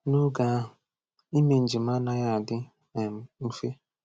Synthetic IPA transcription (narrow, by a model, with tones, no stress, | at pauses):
nu˦ɡa˨˦ | i˦me˨n̩˨d͡ʒi˨m̩˦a˦na˦ja˦a˨dɪ˦˨ | m˨m̩˦fe˦